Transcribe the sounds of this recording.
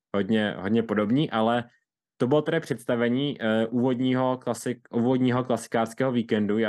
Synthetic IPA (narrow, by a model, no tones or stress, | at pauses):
ɦodɲɛɦodɲɛpo̞do̞bɲiːʔalɛ | t̪o̞bɪlot̪ɛɾɪpr̝̥ɛt̪st̪avɛɲiːʔʔuːvo̞dɲiːɦo̞klasɪuːvodɲiːɦo̞klasɪ̥kaːrskɛːɦoviːkɛndua